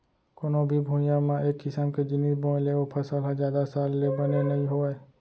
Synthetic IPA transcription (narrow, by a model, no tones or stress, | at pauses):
koːnõbʱibʱũːjãmãeːkːɪsəmked͡ʒɪniːbõːleopʰɐsəlɦãzjaːd̪asaːlːebənenɐĩɦoeː